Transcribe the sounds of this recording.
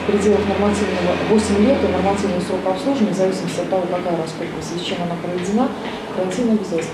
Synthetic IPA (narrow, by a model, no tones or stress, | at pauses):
fpɾʲɪdʲe̞lˠəxnərmasɨvnːəvəvo̞sʲɪmʲlʲe̞t̪ənərmat̪sɨvnəvəsɾo̞kɐpslˠuʐəvənʲzɐvʲisʲɪməsʲtʲɐt̪ːɐvo̞kɐkajəɾɐskopɾəsʲsʲt͡ɕe̞manapɾəvʲɪdʲɪna | kɾanʲtʲinəjvʲɪzʲelˠs